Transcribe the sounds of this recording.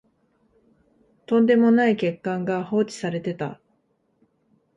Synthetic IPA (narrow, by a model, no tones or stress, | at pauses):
t̪õ̞nd̪e̞mo̞naike̞kːãŋɡaho̞ːt͡ɕi̥saɾe̞t̪e̞t̪a̰